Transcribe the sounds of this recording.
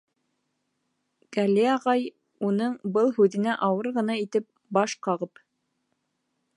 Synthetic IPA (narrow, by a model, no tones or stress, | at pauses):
ɡ̥ælʲiɑʁɑj | unɤɴbɤlˠhʉðɘ̆næʔɑwɤɾʁɤ̆n̪ɑit̪ɘp̚ | bɑʃqɑʁɤp